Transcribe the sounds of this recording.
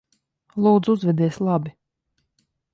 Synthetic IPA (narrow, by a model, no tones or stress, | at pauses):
lˠuːd̪zuzvʲɛd̪iɛsʲlˠabi